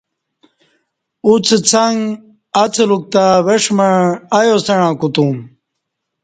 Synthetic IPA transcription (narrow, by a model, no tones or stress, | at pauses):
ut͡st͡sʰaŋ | at͡sʰeluk̚t̪aweʂmaɳajosɐɳãːkut̪um